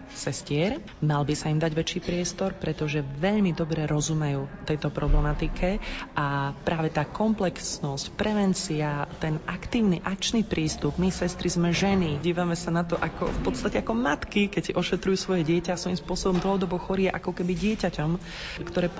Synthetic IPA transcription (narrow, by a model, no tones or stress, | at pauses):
sɛscɪɛɾ | malbisaimd̪aɟʋɛt͡ʃiːpɾɪɛst̪ɔɾpɾɛt̪ɔʒɛʋɛʎmid̪ɔbɾɛɾɔzumɛjuːt̪ɛjt̪ɔpɾɔblɛmat̪ikʰɛʔapɾʔaːʋɛt̪aːkʰɔmplɛksnɔscpɾɛʋɛnt͡siat̪ɛnʔakt̪iːʊniʔak̚t͡ʃnipɾʔiːst̪ubmisɛst̪ɾizmɛʒɛniɟiːʋamɛsanat̪ɔʔakɔ̰fpɔt̪st̪acɛakɔmat̪kikɛcsʔɔʃɛt̪ɾujuːsʋɔjɛɟɪɛcafsʋɔjimspʊɔsɔbɔmd̪l̩ɦɔd̪ɔbɔxɔɾiɛʔakɔkɛbiɟɪɛcacɔm | kt̪ɔɾɛː